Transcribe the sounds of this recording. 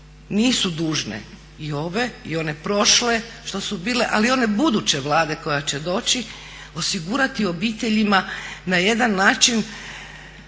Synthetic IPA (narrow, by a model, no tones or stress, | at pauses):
niːsud̪uːʒnḛ | io̞ʋe̞ḭo̞ne̞pɾo̞ʃle̞ʃt̪o̞subiːle̞ʔalio̞ne̞bud̪ut͡ɕe̞ʋlˠaːd̪e̞ko̞jat͡ɕe̞d̪o̞ːt͡ɕi | o̞siɡuːɾat̪io̞biːt̪e̞ʎimanaje̞d̪anːaːt͡ʃin